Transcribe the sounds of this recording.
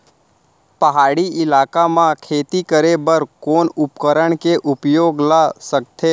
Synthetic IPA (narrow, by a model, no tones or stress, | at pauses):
pəɦaːɽiʔɪlaːkamãkʰeːt̪ikəɾebəɾkoːnʊpkəɾəɳ̃keʔʊpjoːɡlasək̚t̪ʰeː